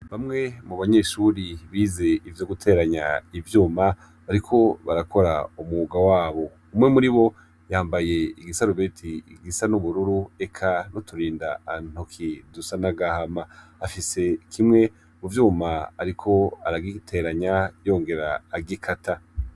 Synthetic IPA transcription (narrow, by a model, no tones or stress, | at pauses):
βamŋe̞muβaɲe̞ʃuːɾiβiːze̞ivjo̞ɡutʰe̞ɾaɲaivjuːma | βaɾikʰo̞βaɾakʰo̞ɾa̰umuːɡawaːβo̞ | umŋemuɾiβo̞ | jaːmbaje̞iɡisaɾuβetʰiɡisanuβuɾuɾue̞kʰanotʰuɾiːndaan̥okʰidusanaɡahamaːfise̞kʰimŋe̞ | muvjuːmaːɾikʰo̞aɾaɡitʰe̞ɾaɲajo̞ːŋɡe̞ɾaːɡikʰatʰa